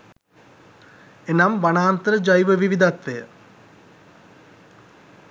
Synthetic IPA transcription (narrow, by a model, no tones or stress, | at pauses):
enamʋanaːnt̪əɾəd͡ʒajʋəʋiʋid̪at̪ʋejə